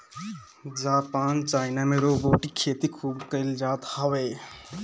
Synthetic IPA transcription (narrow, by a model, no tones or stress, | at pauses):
d͡ʒaːpaːnt͡ʃaːɪnameɾoːboːʈikʰeːt̪ikʰuːbkəɪld͡ʒaːt̪hɔʋeː